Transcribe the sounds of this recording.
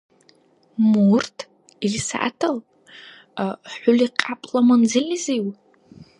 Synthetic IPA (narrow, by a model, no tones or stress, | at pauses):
murtʰ | irisa̰ʔa̰tʰalʼ | aħʷʊliqʼapʼlamand͡zɪliziw